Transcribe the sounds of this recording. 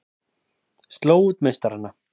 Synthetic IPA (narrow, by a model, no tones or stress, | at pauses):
st̪lowt̪mest̪aɾanːa